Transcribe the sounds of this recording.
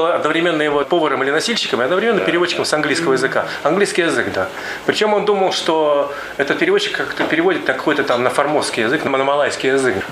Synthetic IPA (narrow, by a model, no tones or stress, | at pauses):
lˠəɐd̪nəvɾʲɪmʲe̞nːɨjɪvopo̞vəɾəmɨlʲɪnɐsʲilʲɕːɪ̥kəmɨɐd̪nəvɾʲɪmʲenːəmpʲɪɾʲɪvo̞t͡ɕːɪkəmsɐnɡlʲijskəvəjɪzɨka | ɐnɡlʲijskʲɪjɪzɨɡd̪a | pɾʲɪt͡ɕo̞mo̞nd̪uməlˠʂt̪o | ɛt̪ət̪̚pʲɪɾʲɪvot͡ɕːɪ̥kːakt̪əpʲɪɾʲɪvo̞dʲɪt̪ːkɐko̞jt̪ət̪amnəfɐrmo̞skʲɪjɪzɨknəmənəmɐlˠajskʲɪjɪzɨk